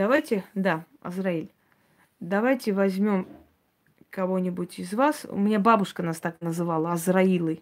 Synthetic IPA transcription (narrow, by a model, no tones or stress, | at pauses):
d̪̥ɐvajtʲɪd̪a | ɐ̰zrailʲ | d̪ɐvajtʲɪvɐzʲmʲo̞m | kɐvo̞nʲɪbʊtʲɪzvasʊ̰mʲɪnʲababʊʂkənast̪aknəzɨvalˠəɐzrɐilˠɨj